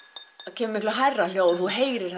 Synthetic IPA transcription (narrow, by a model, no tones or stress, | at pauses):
ðcʰɛːmʏmihklaɦɛrːal̥joːwθuɦeːjɾɪɾ̥